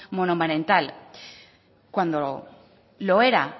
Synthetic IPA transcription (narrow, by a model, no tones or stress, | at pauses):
monomanẽnt̪al | kwand̪o | lo̞eɾa